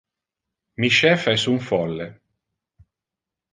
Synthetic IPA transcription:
miʃɛfɛsuɱfɔlːe

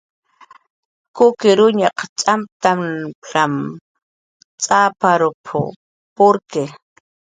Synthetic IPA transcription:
kʊkɪɾʊɲaqt͡ʃʼamp̚t̪amɬam | t͡sʼapaɾʊpʰʊ̰ | pʊɾke

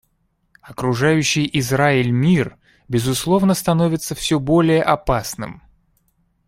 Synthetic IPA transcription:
ɐkɾʊʐajʉɕːɪjʔɪzraɪlʲmʲir | bʲɪzʊslˠo̞vnəst̪ɐnovʲɪt̪səfsʲɵbo̞lʲɪjəʔɐpasnɨ̰m

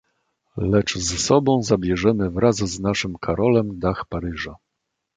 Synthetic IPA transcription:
lɛt͡ʂzɛsɔbɔ̃w̃zabʲjɛʐɛmɘvɾazznaʂɘmkʰaɾɔlɛmd̪axpaɾɘʐa

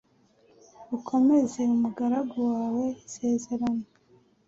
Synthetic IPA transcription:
ukʰo̞me̞ze̞umuɡaɾaɡowaːwe̞ise̞ːze̞ɾano

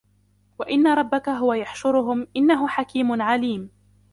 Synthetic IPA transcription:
waʔɪnːaɾˤɑbːakaɦʊwajaħʃʊɾʊɦʊmʔɪnːaɦʊħakiːmʊnʕaliːm

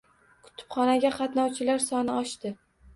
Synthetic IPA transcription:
kʰʊ̥t̪ʰɪ̥pχɒnaɡʲaqʰɑt̪nɒwt͡ʃʰɪlaɾsɒnɪɒʃt̪ɪ

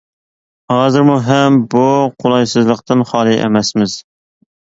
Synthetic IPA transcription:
hɑːzɨɾmuɦɛmbuqʰolˠɑjsɨzlˠəqt̪ɨnχɑːlˠɨʔḛmɛsmɪz̥

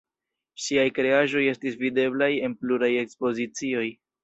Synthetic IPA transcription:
ʃiajkɾe̞aʒo̞je̞stisvide̞blaje̞npluɾaje̞kspo̞zit͡sio̞j

